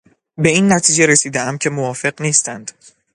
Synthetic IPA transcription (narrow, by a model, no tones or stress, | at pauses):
be̞iːnːæt̪ʰiːd͡ʒe̞ɾesiːd̪eʔæmcʰe̞movɒːfe̞ɢniːst̪ænd̪̥